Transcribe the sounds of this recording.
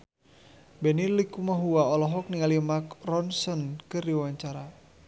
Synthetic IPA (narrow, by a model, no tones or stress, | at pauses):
bɛnilikumaɦuwaɔlɔɦɔk̚niŋalimakrɔnsɔnkɨrdiwaɲt͡ʃaɾa